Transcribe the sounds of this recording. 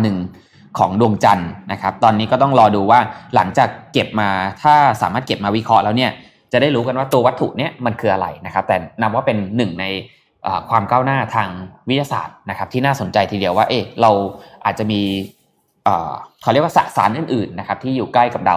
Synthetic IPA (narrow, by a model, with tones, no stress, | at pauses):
nɯ˨˩ŋ | kʰɔ̰ː˩˦ŋdu˧əŋt͡ɕa˧nna˦˥kʰa˦˥p̚t̪ɔː˧nːi˦˥kɔ˥˩t̪ɔ˥˩ŋɾɔː˧duː˧waː˥˩la̰˩˦ŋt͡ɕaː˨˩k̚ːe˨˩p̚maː˧t̪ʰaː˥˩sa̰ː˩˦maː˥˩t̪̚ke˨˩p̚maː˧wi˦˥kʰɾɔ˦˥ʔlɛː˦˥wni˥˩ɐ | t͡ɕa˨˩da˥˩jɾuː˦˥ka˧nwaː˥˩t̪u˧ɐwa˦˥t̪ʰːṵ˨˩ʔni˥˩ɐma˧nkʰɯː˧ʔa˧ɾa̰˧jna˦˥kʰa˦˥p̚t̪ɛː˨˩na˦˥p̚waː˥˩pe˧nːɯ˨˩ŋna˧j | ʔəː˨˩kʰwaː˧mkaː˥˩wnaː˥˩t̪ʰaː˧ŋwi˦˥t̪̚ja˧sa̰ː˨˩t̪̚na˦kʰa˦˥p̚t̪ʰiː˥˩naː˥˩so˨˩˦nt͡ɕa˧jt̪ʰiː˧di˧əwaː˥˩ʔeː˧˩ɾa˧wʔaː˨˩t̪̚t͡ɕa˨˩miː˧ | ʔɤː˨˩kʰːɾi˥˩əwa˥˩sa̰˨˩sa̰ː˩˦nʔɯː˨˩nʔɯː˨˩nːa˦˥kʰa˦˥p̚t̪ʰiː˥˩juː˨˩kla˥˩jka˨˩p̚da̰˧w